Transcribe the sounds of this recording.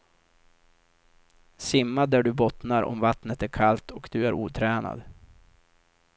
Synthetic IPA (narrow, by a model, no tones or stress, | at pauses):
sɪmːad̪æɖɵbɔt̪naɾɔ̰mvat̪nət̪æɾkʰalt̪ʰɔkd̪ɵæɾuːt̪ʰɾɛːna̰d̪